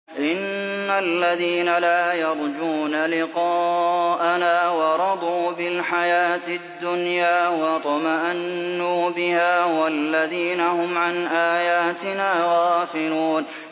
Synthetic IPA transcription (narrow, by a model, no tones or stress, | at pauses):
ʔɪnːalːaðiːnalaːjɑɾˤd͡ʒuːnalɪqɑːʔanaːwɑɾˤɑd̪ˤuːbɪlħajaːt̪ɪd̪ːʊnjaːwɑt̪ˤɑmaʔanːuːbɪhaːwalːaðiːnahʊmʕanʔaːjaːt̪ɪnaːɣaːfɪluːn